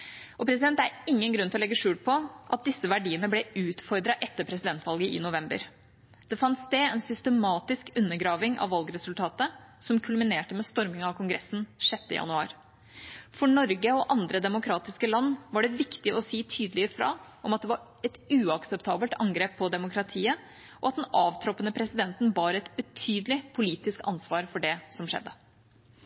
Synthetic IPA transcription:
ɔpʰɾɛsɪd̪ɛnt̪æɾɪŋːənɡɾʉnt̪ɪlɔlɛɡːəʂʉːlpʰɔʔɑt̪̚d̪ɪsːəʋæɖiːənəblɛʉːt̪fɔɾd̪ɾɑʔɛt̪ːəpʰɾɛs̬ɪd̪ɛnt̪ʋɑlɡəʔɪ̰nʊʋɛmbə̰ɾ | d̪̥ɛfɑnsd̪ɛɛnsʏst̪əmɑːt̪ɪskʉnːəɡɾɑːʋɪŋʔɑ̰ʋʋɑlɡɾɛsʉlt̪ʰɑːt̪əsɔmkʰʉlmɪneːʈəmɛst̪ɔɾmɪŋɑʋkʰʊŋɡɾɛsːn̩ʂɛt̪ːə̰jɑ̰nʉɑ̰ːɾ | fɔɳɔɾɡəɔʔɑnd̪ɾəd̪ɛmʊkʰɾɑːt̪ɪskəlɑnːʋɑɖɛʋɪkt̪ɪʔɔsiːt̪ʰyːd̪əlɪəɾfɾɑ̰ːʔɔmɑt̪d̪ɛʋɑɾ | ɛt̪ʉːɑksɛpt̪ʰɑːbəlt̪ʰɑŋɡɾeːpʰːɔd̪ɛmʊkʰɾɑt̪ʰiːə | ʔɔɑt̪̚d̪nɑːʋt̪ʰɾɔpːənəpʰɾɛsɪd̪ɛnt̪n̩bɑːɾɛt̪bət̪ʰyːd̪əlɪpʰʊliːt̪ɪskɑ̰nsʋɑːɾfɔɖɛsɔmʂɛ̰d̪ːə

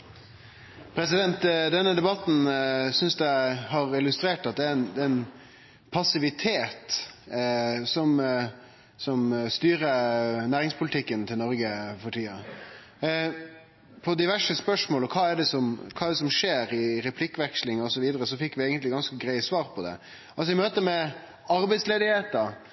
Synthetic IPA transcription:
pʰɾɛsɪd̪ɛnt̪d̪ɛnːəd̪ɛbɑt̪n̩sʏnsd̪æɦɑɾɪlʉst̪ɾeːʈɑt̪̚d̪ɛɛnd̪ɛɛn | pʰɑsɪʋɪt̪ʰeːt̪ | sɔm | sɔmst̪yːɾənæːɾɪŋspʰʊlɪt̪ʰɪkːənt̪ʰɪlnɔɾɡəfɔʈʰiːɑ | pʰɔd̪ɪʋæʂəspœʂmoːlɔkʰɑːɛɖɛsɔmkʰɑːɛɖɛsɔmʂeːɾɪɾɛpʰlɪkːʋɛkʂlɪŋɔsɔʋiːd̪əɾəsɔfɪkːʋɪæɪɡənt̪lɪɡɑnskəɡɾæɪsʋɑːɾpʰɔd̪ɛ̰ | ʔɑls̬ɔɪmøːt̪əmɛ | ɑɾbɛɪsleːd̪ɪheːt̪əɾ

